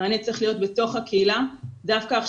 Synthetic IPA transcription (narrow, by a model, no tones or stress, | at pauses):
aːnet͡sʁeχlijo̞t̪be̞to̞χhakeiladafkaːχ